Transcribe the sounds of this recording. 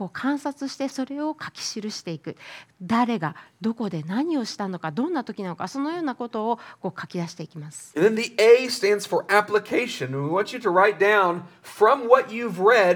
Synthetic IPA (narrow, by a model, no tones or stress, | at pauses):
ko̞ːkʰãɰ̃sat͡sɨɕi̥t̪e̞so̞ɾe̞o̞kʰakʲi̥ɕiɾɯ̟ɕi̥t̪e̞ikɯ̟d̪aɾe̞ɡad̪o̞ko̞d̪e̞naɲ̟io̞ɕi̥t̪ano̞kad̪õ̞nːat̪o̞kʲinano̞kaso̞nojo̞ːnako̞t̪o̞ːko̞ːkʰakʲid̪aɕi̥t̪e̞ikʲimasɨ̥ðɨ̃nðiʔeɪstæ̃ndz̥fə˞ʔæpləkʰeɪʃɨ̃nwiwɑ̃nt͡ʃɨɾɨɹaɪt̚d̥ãʊ̃nfɹʌ̃mwʌt͡ʃʉvɹɛd̚